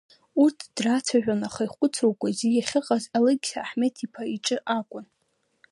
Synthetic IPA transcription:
urtʰd̥rat͡sʰaʒᶣanaχajχʷʼʊt͡sʰowkʷʼazijaχʲɪqʼazalɨɡʲsaːħmetʰipʰaiʈ͡ʂʼɨʔakʷʼʊn

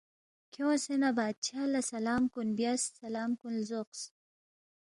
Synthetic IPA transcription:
kʰowsenabad̪̚t͡ʃʰalasalɑːmkunbjasːalɑːmkunlzoqs

